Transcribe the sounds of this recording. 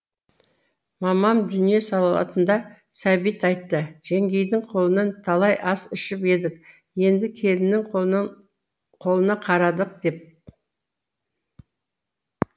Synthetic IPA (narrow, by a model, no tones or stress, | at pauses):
mɑmɑmd̪ʏnije̞sɑlˠɑlˠɑ̰t̪ənd̪ɑ | sæbijt̪ɑjt̪ːəʒ̥eŋɡʲe̞jd̪ɪŋqʰo̞lˠənɑnt̪ʰɑlˠɑjʔɑsɪʃɪpe̞d̪ɪk̚ | je̞nd̪ɪkʲʰe̞lɪmnɪŋ | qʰo̞lˠənɑqʰɑɾɑd̪əq̚d̪e̞p̚